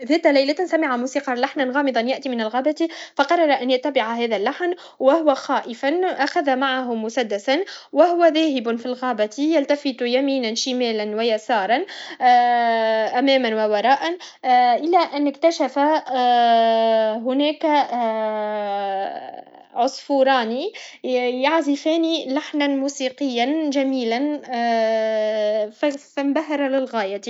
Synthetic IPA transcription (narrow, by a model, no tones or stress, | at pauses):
ðæːt̪alajlat̪nsamɪʕamuːsiːqɑlaħnanɣɑːmɨðˤɑnjaʔt̪imɪnalɣaːbat̪ifɑqɑrˤːɑɾˤɑʔanjat̪ːabɪʕaɦæːðalːaħn | wɪhʊwaxɑːʔɪfanʔaxaðamaʕaɦʊmːʊsad̪ːasanwɪhʊwaðæːɦɪbnfilɣaːbat̪ijalt̪afɪt̪jamiːnanʃɪmæːlanwajasɑːɾˤɑn | ʔamæːmanwawɑɾˤɑːʔan | ʔɪlæʔanːɪkt̪aʃafa | ɦʊnæːk | ʕʊsˤfuːɾˤɑːni | jaʕzɪfæːnilaħnanmuːsiːqɪjːanʒæmiːlan | ffambaɦɑɾˤɑlɪlɣaːjat̪i